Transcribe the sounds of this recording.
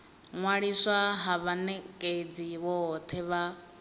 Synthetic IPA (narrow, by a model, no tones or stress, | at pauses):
ŋwaɺiswaɦaβanɛkʼed͡ziwɔt̪ʰɛβa